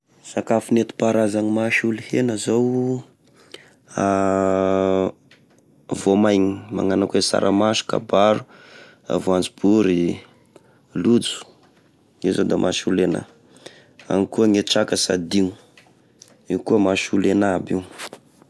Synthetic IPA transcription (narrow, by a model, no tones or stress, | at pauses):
sakafinet̪i̥paɾazaŋimaʃulihenəzow | a | vomajɲima̰ŋanakesa̰ɾʔamaʃu̥ka̰baɾu | a̰voand͡zib̥uɾi | lud͡zu̥ | izod̪amʔaʃulena̰ | a̰ŋikuəŋeʈ͡ʂakəsa̰d̪iŋu | ikuəmaʃulenabiw